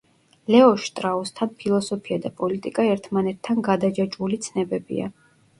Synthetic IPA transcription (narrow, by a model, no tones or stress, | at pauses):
lɛɔʃt̪ʼɾaɔst̪ʰanpʰilˠɔsɔpʰiad̪apʼɔlit̪ʼikʼaɛɾt̪ʰmanɛt̪ʰːanɡad̪ad͡ʒat͡ʃʼulit̪sʰnɛbɛbḭa̰